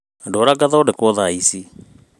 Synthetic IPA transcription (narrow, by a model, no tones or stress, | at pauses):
doːɾaɡaðaodekwɔðaisi